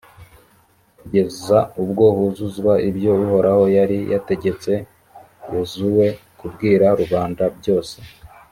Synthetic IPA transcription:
ɟezzaubɡo̞ːhuzuzɡwaʔibjo̞βuho̞ɾaho̞jaɾijate̞ɟe̞t͡se̞ | juzuwe̞kubɡiːɾaɾuβaːndabɟo̞ːse̞̥

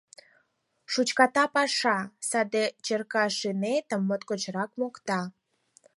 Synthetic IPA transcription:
ʃut͡ɕkɑt̪ɑpɑʃɑsɑd̪et͡ɕərkɑʃinet̪əmːot̪kot͡ɕɾɑkmokt̪ɑ

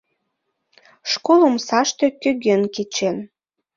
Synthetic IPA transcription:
ʃkoləmsɑʃt̪økøɣønket͡ɕen

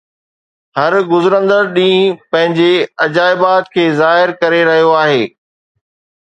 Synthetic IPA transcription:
ɦɐɾɡʊzɾə̃nd̪əɾɗĩːpɐ̃ɦɪ̃ɲd͡ʑeɐd͡ʑaːɪbaːt̪̚kʰeːzaːɦɪɾkɐɾeɾɐɦijoaːɦeː

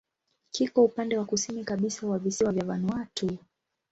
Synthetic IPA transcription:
kikɔupandɛwakusinikaɓisawavisiwavjavanuatʰu

